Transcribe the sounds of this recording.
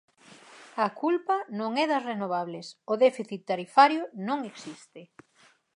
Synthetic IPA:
ɐkʰulpɐnõŋɛðɐsrenoβ̞aβlɪsʊðɛfiθit̪ːaɾifaɾjʊnõŋeksist̪ɪ

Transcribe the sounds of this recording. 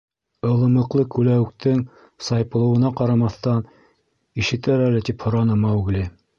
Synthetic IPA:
ɤ̆lˠɤ̆mɤ̆qlˠɤkʉlæwɘk̚t̪ɘŋ | sɑjpɤ̆lˠɤ̆wɤ̆nɑqɑɾɑmɑθt̪ɑn | iʃɘ̆t̪æɾælɘt̪iphŏɾɑnɤmɑʉɡlɘ

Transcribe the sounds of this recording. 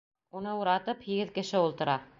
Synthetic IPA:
unɤuɾɑt̪ɤphĭɡɘðkɘ̆ʃɘulˠt̪ɤ̆ɾʔɑ

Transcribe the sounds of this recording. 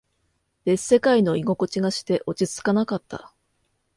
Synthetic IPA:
d̥e̞se̞kaino̞iɡo̞ko̞t͡ɕiɡaɕi̥t̪e̞ʔo̞t͡ɕit͡sɨ̥kanakat̪ʰːa̰

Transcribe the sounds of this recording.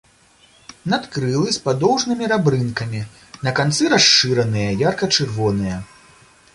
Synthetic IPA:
nat̪kɾɨlˠɨspad̪ɔwʐnɨmʲiɾabɾɨnkɐmʲi | nɐkant̪sɨɾaʂt͡ʂɨɾɐnɨjɐjarkɐt͡ʂɨrvɔnɨjɐ

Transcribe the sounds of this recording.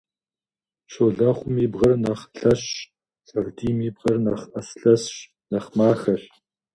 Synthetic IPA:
ɕoɮɐχʷʊmiːbʁɐrnɐχɬɐɕ | sʼɐrdiːmiːbʁɐrnɐχʔɐsɬɐsɕ | nɐχmaːxɐɬ

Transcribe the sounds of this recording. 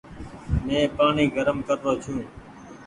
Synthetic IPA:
mẽːpaːɳiːɡʱəɾəmkəɾːoːt͡ʃʰũː

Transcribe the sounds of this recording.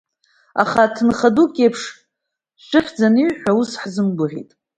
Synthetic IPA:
a̰χatʰɨnχadukʼejpʰʂ | ʃʷɪχʲd͡zanɨɥħʷᶣausħzɨmɡʊʁʲḭtʼ

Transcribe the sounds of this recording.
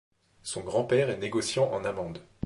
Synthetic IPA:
sɔ̃ɡʁɑ̃pɛʁɛneɡɔsjɑ̃ʔɑ̰̃namɑ̃d̪

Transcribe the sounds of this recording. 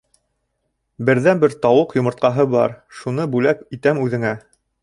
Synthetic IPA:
bɘ̆ɾðænbɘɾt̪ɑwɤqjŏmɤ̆ɾt̪̚qɑɦɤbɑ̰ɾʃunɤbʉlæpit̪æmʉðɘ̆ŋæ

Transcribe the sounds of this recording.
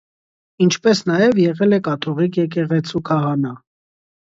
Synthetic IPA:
int͡ʃʰpɛsnɑjɛvjɛʁɛlɛkɑt̪ʰɔʁikʰjɛk̬ɛʁɛt͡sʰukʰɑɦɑnɑ

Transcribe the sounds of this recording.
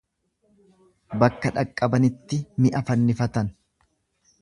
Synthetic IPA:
bɐkːɐᶑɐkʼːɐbɐnɪt̪ːɪmɪʔɐfɐnːɪfɐt̪ɐn

